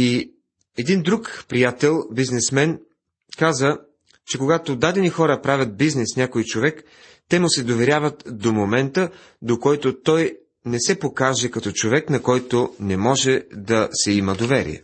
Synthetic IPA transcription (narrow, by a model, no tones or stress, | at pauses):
i | ɛd̪ind̪ɾukpɾijat̪ɛlˠbiznɛsmɛn | kazə | t͡ʃɛkoɡat̪od̪ad̪ɛnixɔɾəpɾavʲjɐt̪̚biznɛsnʲakoit͡ʃovɛk | t̪ɛmʊsɛd̪ovɛɾʲjavət̪d̪omomɛnt̪ə | d̪okɔjt̪ot̪ɔj | nɛsɛpokaʒɛkɐt̪ɔt͡ʃovɛknɐkɔjt̪onɛmɔʒɛd̪ɐsɛimɐd̪ovɛɾḭɛ̰